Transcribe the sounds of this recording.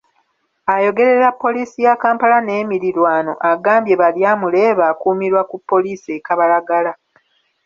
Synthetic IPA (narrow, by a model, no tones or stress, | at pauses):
ajo̞ɡe̞ɾe̞ɾapːo̞liːsijakaːmpalane̞ːmiɾilwaːno̞̰ʔaɡaːmbje̞βaljaːmule̞ːβaːkuːmiɾwakupːo̞liːsiekaβalaɡala